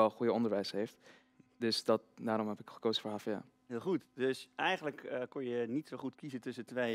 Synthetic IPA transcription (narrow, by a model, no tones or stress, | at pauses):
ɛlˠχujəɔndəɹʋɛjsɦejft | dɵsdɑt̚daːɾɔmɦɛpɪkχə̥kowzəfʊːɹɦaːfja̰ː | ɦɪːlˠχutdɵsɛjχənləkəkɔnjənitsowχutkizətɵsətʋej